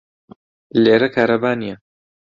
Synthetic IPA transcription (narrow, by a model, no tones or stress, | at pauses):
leːɾɐkʰaːɾɐbaːnijɐ